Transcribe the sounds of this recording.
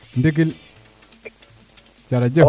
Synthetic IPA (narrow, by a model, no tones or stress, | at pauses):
ndik̬il | t͡ʃaɾad͡ʒe